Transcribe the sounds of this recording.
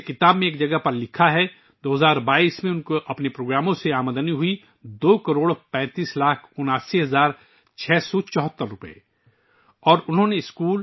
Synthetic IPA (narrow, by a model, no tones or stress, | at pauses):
kɪt̪aːbmẽeːkd͡ʒɐɡəɦpɐɾlɪkʰaɦɛ | d̪oːɦɐzaːɾbaːiːsmẽʊnkoʔɐpnepɾoːɡɾaːmõseaːməd̪əniɦʊi | d̪oːkɐɾoːɽpɛ̃ːt̪iːslaːkʰʊnaːsiɦɐzaːɾ | t͡ʃʰɛːsɔt͡ʃɔːɦt̪ːəɾːʊpəḛ | ɔːɾʊnɦõneɪskuːl